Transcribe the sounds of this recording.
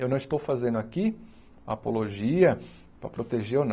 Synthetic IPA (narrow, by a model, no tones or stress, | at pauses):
ewnɐ̃w̃ɪst̪owfazẽnd̪aki | ɐapoloʒiɐ | pɾɐpɾot̪eʒeʊn